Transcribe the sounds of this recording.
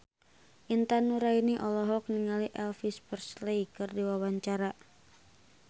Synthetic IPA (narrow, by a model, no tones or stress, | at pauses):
ʔint̪anuɾainiʔɔlɔɦɔk̚niŋaliʔɛlfispərslejkɨrdiwawaɲt͡ʃaɾa